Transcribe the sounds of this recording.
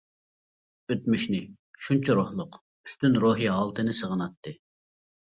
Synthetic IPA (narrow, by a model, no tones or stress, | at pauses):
øt̪̚myʃnɪ | ʃunt͡ʃʰɑɾohlˠʊq | y̥st̪ynɾoːɦiɦɑlˠt̪ʰɨnɨsəʁənɑt̪ʰːɨ